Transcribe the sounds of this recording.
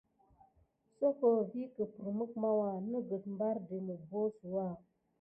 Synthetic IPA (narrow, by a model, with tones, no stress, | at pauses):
so˦kə˨vi˦kə˨pə˨ɾmə˦k̚ma˦wa˦˨nə˦ɡə˨t̚m̩˦ba˦ɾde˨mə˨bo˦sə˨wa˦˨